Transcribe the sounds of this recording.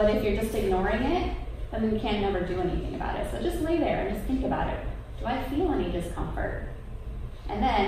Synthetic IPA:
bʌɾɨfjə˞d͡ʒʌstɨɡ̚nɔɹɪ̃ŋɪt̚ | ðɨ̃njɨkʰæ̃nːɛvə˞dɨɛnḭθɪ̃ŋɨba̰ʊɾɪ̰tsoʊd͡ʒʌstˡleɪðə˞ɨ̰̃nd͡ʒʌsθɪ̃ŋkɨbaʊɾɪ̰t̚ | d̥əaɪfilˠɛnidɨskʰʌ̃ɱfə̰˞t̚ | ʔɨ̰̃nðɨ̃n

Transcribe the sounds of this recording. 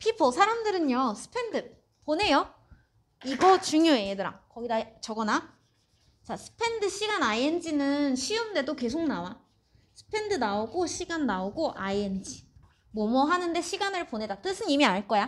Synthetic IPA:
pʰipʰosʰaɾamdɯɾɯɲosʰɯ̥pʰe̞ndɯ | pone̞jo | iɡʌt͡ɕuŋjoeedɯɾa̰ŋkʌɡidat͡ɕʌɡʌna | t͡ɕasʰɯ̥pʰe̞ndɯɕʰiɡanaiend͡ʑinɯnɕʰiɯnde̞doke̞s̬ʰok̚nawa | sʰɯ̥pʰe̞ndɯnaoɡoɕʰiɡanːaoɡoʔaiend͡ʑi | mʌmʌɦanɯnde̞ɕʰiɡanɯɭpone̞dat͈ɯsʰɯnimiaɭk͈ʌja

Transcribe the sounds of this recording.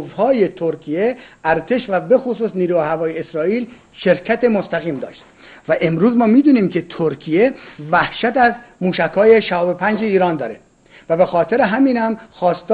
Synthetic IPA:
vhɒːje̞t̪ʰoɾkʰijeæɾt̪ʰe̞ʃvæbe̞xos̬uːsniːɾuːehævɒːjeːsɾɒːiːl | ʃe̞ɾcʰæt̪e̞most̪æɣiːmd̪ɒ̰ːʃt̪ | væʔe̞mɾuːzmɒːmiːd̪uːniːmcʰe̞t̪ʰoɾkʰijevæhʃæt̪æzmuːʃækʰɒːje̞ʃæɒːbepʰænd͡ʒeiːɾɒːnd̪ɒːɾe | væbe̞xɒːt̪ʰe̞ɾeɦæmiːnhæmxɒːst̪ː

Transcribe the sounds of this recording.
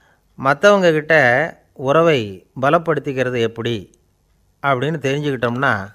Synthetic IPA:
mɐt̪ːɐʋɐŋɡɐkɪʈːɐ | ʊɾɐʋɐɪbɐlɐpːɐɽɯt̪ːɯɣɪɾɐðɯɛpːɐɽi | ɐpːɐɽɪnːɯt̪ɛɾɪɲd͡ʒɯkɪʈːɯmnaː

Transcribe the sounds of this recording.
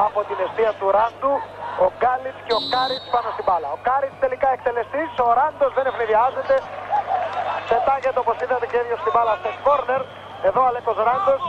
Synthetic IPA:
ɐpo̞t̪ine̞st̪iɐt̪uɾɐnd̪uoɡɐlit͡sceo̞kɐɾispɐno̞st̪ibɐlɐo̞kɐɾit͡st̪e̞likɐek̚t̪e̞le̞st̪iso̞ɾɐnd̪o̞zðe̞ne̞fliðiɐze̞t̪e̞ | t̪e̞t̪ɐɲʝet̪eopo̞siðɐt̪ecevʝost̪ibɐlɐst̪esko̞ɾne̞ɾ | e̞ðo̞ɐlekozɾɐnd̪o̞s

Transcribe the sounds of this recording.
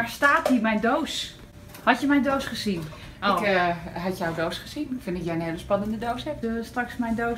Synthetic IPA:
aɹstaːthimɛjndows | hɔtjəmɛjndowsχəsin | kɦatjawdoːsχəsinfɪnɪkjɛjəneːləspanəndədowsɛpstraksmɛjndo

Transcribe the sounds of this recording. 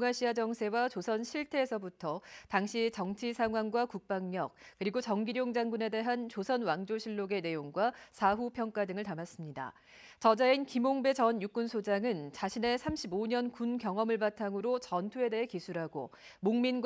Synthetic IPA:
ŋaɕʰiad͡ʑʌŋsʰe̞wat͡ɕosʰʌnɕʰiɭtʰe̞ːsʰʌbutʰʌtaŋɕʰit͡ɕʌŋt͡ɕʰisʰaŋɦwaŋɡwakuk̚p͈aŋɲʌk̚k͈ɯɾiɡot͡ɕʌŋɡiɾjoŋd͡ʑaŋɡune̞de̞ɦant͡ɕosʰʌnwaŋd͡ʑoɕʰiɭːoɡe̞ne̞joŋɡwasʰaɦupʰjʌŋk͈adɯŋɯɭtamas͈ɯmɲida̰ | t͡ɕʌd͡ʑainkimoŋbe̞t͡ɕʌnjuk͈unsʰod͡ʑaŋɯnt͡ɕaɕʰine̞sʰamɕʰiboɲʌnkunkjʌŋʌmɯɭpatʰaŋɯɾot͡ɕʌntʰue̞de̞ɦe̞kisʰuɾɦaɡo̰ | moŋminɡ

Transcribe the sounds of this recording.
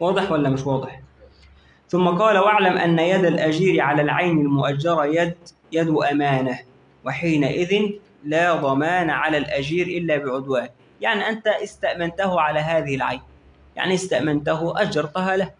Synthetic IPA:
wɑːd̪ˤɨħwalːamɪʃwɑːd̪ˤɨħ | θʊmːɑqɑːlawaʕlamʔa̰nːajad̪alʔad͡ʒiːɾʕalaːlʕajnalmʊʔad͡ʒːɑɾˤjd̪ | jad̪ʊʔamaːna | wɪħiːnaʔɪðɪn | laːd̪ˤɑmaːnʕalalʔad͡ʒiːɾʔɪlːaːbɪʕʊd̪waːn | jaʕniʔant̪aʔɪst̪aʔmɪnt̪ahʊʕalaːɦaːðɪhɪlʕa̰jn | ja̰ʕniɪst̪aʔmant̪aɦʊʔad͡ʒːɑɾˤt̪ʊɦaːlah

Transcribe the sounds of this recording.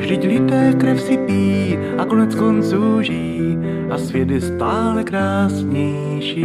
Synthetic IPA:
rɪɟlɪt̪ɛːkɾɛfsɪpiː | ʔakonɛt͡skont͡suːʒiː | ʔasvjɛd̪ɪst̪aːlɛkɾaːsɲɛj | ʃiː

